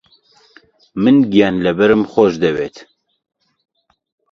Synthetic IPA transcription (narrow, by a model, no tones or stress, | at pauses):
mɨnɡijɑːnlɛbɛɾɨmxɔʒd̪ɛweːt̪